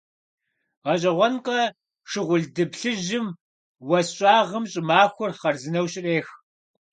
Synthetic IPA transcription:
ʁɐɕ̬ʼɐʁʷɔnqʼɐ | ʂɨʁʷʊɮdɨbɬɨʑɪm | wɐsɕʼaːʁəmɕʼɪmaːxʷʊrχɐrzɨnɐwɕɪreːx

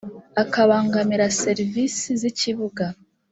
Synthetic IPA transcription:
akaβaːŋɡamiɾase̞ɾivisiziciβuɡa

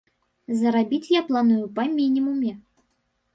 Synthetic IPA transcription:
zɐɾabʲit͡sʲjaplˠanujupɐmʲinʲimumʲɛ

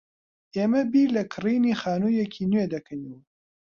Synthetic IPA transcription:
eːmɐbiːlɐkʰɨriːniːxaːnuːjekʰiːnwed̪ɐkʰɐniw

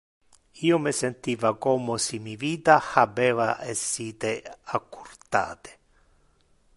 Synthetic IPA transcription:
iːomɪsent̪iːvakɔːmosimiviːt̪ahabɛːva̰ɛsːiːt̪eakʰːurt̪a̰ːt̪e̥

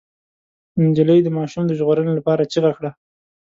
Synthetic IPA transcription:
nd͡ʒaləjd̪əmɑʃumd̪əʒɣoɾənelapɑɾat͡ʃiɣaxɽa

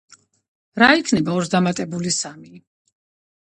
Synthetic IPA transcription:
ɾaikʰnɛbaɔɾsd̪amat̪ʼɛbulisami

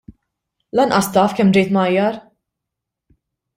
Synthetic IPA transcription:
lɐnʔɐst̪ɐːfkɛmːd͡ʒɛjt̪mɐjːɐɾ

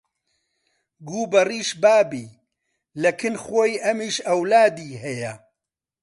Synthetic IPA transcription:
ɡuːbɐriːʃbaːbiː | lɐkʰɨnxoːjʔɐmiːʃɐwlaːd̪iːɦɛjɐ

